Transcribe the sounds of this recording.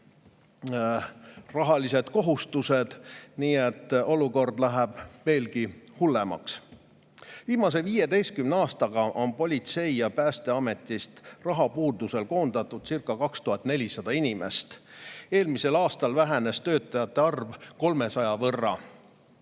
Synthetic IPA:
rɑɦɑlise̞d̪̥ko̞ɦust̪use̞d̪̥niːet̪ːo̞luko̞rd̪læɦɛb̥ve̞ːlɡihulːemɑ̰ks | viːmɑs̬e̞viːje̞d̪e̞jst̪̚kymneɑːst̪ɑɡ̥ɑʔo̞npo̞lʲit̪se̞jɑpæːst̪e̞ɑme̞t̪ːˑist̪rɑɦɑpuːd̪use̞lko̞ːnd̪̥ɑt̪ːˑud̪̥sirkːˑɑkɑkst̪uɦɑt̪ːˑne̞lʲisɑd̪̥ɑinime̞̰st̪e̞ːlmise̞lɑːst̪ɑlvæɦene̞st̪ø̞ːt̪ːˑɑjɑt̪ːˑeɑrvko̞lme̞sɑjɑvɤrːɑ̰

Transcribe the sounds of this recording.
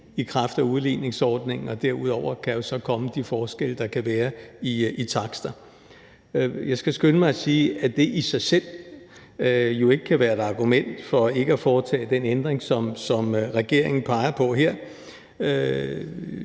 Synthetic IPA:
ikʰʁɑfd̥æuð̞ˠlḭːne̝ŋsɒːd̥ne̝ŋ̩ɒ̽d̥æɐ̰uð̞ˠɒʊ̰ɐkʰæjo̝sɒ̽kʰɒ̽məd̥ifɒːsɡ̥el̰əd̥ɑ̈kʰæʋæːɐiʔit͡sʰɑ̈ɡ̥sd̥ɐ | jɑ̈ɪsɡ̥æsɡ̥ønəmɑ̈ɪsiːæd̥e̝ʔisɑ̈ɪsel̰ | jo̝e̝ɡ̥əkʰæʋæːɐe̝dɑ̈ɡ̥umen̰d̥fɒ̽e̝ɡ̥əæfɒːt͡sʰɛ̰ːd̥enend̥ʁeŋsɒ̽msɒ̽mʁɛɡ̥e̝ɐ̰e̝ŋn̩pʰɑ̈ɪɐpʰɒ̽ɦeɐ̰

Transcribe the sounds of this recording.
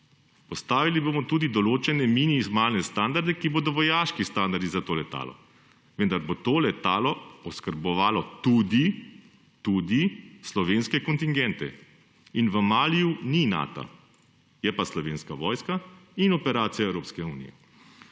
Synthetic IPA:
pɔst̪aːʋilibomɔt̪uːd̪id̪ɔloːt͡ʃɛnɛminizmaːlnɛst̪and̪aɾd̪ɛkiboːd̪ɔʋɔjaːʃkist̪aːnd̪aɾd̪izat̪oːlɛt̪a̰ːlɔ̰ | ʋənd̪aɾbot̪oːlɛt̪aːlɔɔskəɾbɔʋaːlɔt̪uːd̪i | t̪ud̪islɔʋeːnskɛkɔnt̪iŋɡɛnt̪ɛ̰ | inʋəmaːlijunina̰ːt̪a̰ | jɛpaslɔʋeːnskaʋɔːjskainɔpɛɾaːt̪sijaɛwɾoːpskɛuːnḭjɛ̰

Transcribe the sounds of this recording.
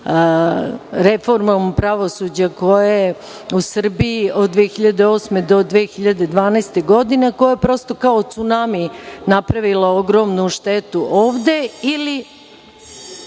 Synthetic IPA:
ɾefo̞ɾmompɾaʋo̞sud͡ʑako̞je | usr̩biiʔo̞d̪d̪ʋeːxiʎad̪eoːsme̞d̪o̞d̪ʋeːxiʎad̪e̞d̪ʋaːnɛːst̪e̞ɡo̞d̪ine̞kojajepɾo̞ːst̪o̞kaot̪sunaminapɾaʋilaoɡɾo̞mnuʃt̪et̪uʔoːʋd̪e̞ili

